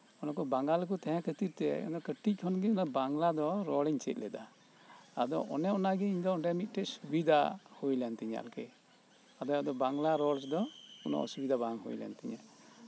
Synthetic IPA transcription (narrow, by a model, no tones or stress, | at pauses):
ɔnɔkɔbaŋɡalk̬ut̪ɛ̃ɦɛ̃kʰət̪iɾ̚t̪ɛɔ̰d̪ɔkəʈic̚kʰɔnɡɛɔnabaŋlad̪ɔɾɔlɛɲt͡ʃɛ̰t̪̚lɛd̪a | ad̪ɔʔɔ̰nɛɔnaɡɛiɲd̪ɔɔɳɖɛmit̪̚ˀʈɛʔsubid̪ʱahujlɛnt̪ɛɲa̰lkɛ | ad̪ɔad̪ɔbaŋlaɾɔlsd̪ɔɔnɔ̰ʔɔ̰subid̪abaŋhṵjlɛ̰nt̪iɲa̰